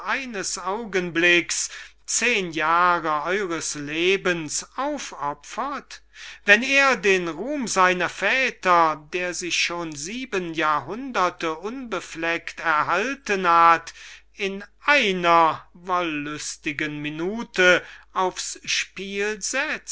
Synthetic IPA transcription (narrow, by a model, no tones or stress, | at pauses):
ʔaɪnəsaʊɡənblɪks | t͡seːnjaːʁəʔɔʏʁəsleːbənsʔaʊfɔpfɐtvɛneːɐdeːnʁuːmzaɪnɐfɛːtɐdeːɐzɪçʃoːnziːbənjaːɐɦʊndɐtəʔʊnbəflɛktɛɐɦaltənhat | ɪnʔaɪnɐvɔlːʊstɪɡənminuːtəaʊfsʃpiːlzɛt͡st